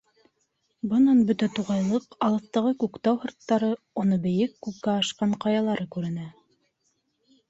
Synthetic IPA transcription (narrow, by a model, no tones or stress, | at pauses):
bɤ̆nɑnbɵt̪æt̪uʁɑjlˠɤqɑlˠɤ̆θt̪ɑʁɤkʉkt̪æwhɤ̆ɾt̪ːɑɾɤ | unɤbɘ̆jɘkːʉp̚kːæɑʃqɑɴqɑjɑlˠɑɾʔɤkʉɾɘ̆næ